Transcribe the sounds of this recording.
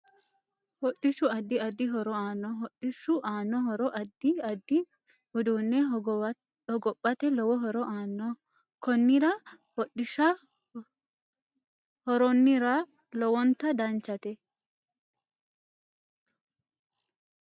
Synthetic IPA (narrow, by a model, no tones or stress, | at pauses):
hɔɗːɪʃʊɐd̪ːɪɐd̪ːɪɦɔɾɔaːnːɔɦɔɗːɪʃːʊʔaːnːɔɦɔɾɔʔɐd̪ːɪɐd̪ːɪ | hɔd̪uːnːɛ | hɔɡɔpʼːɐt̪ɛlɔwɔɦɔɾɔʔaːnːɔ | kɔnːɪɾɐ | wɔɗɪʃɐ | hɔɾɔnːɪɾɐ | lɔwɔnt̪ːɐd̪ɐnt͡ʃːɐt̪ɛ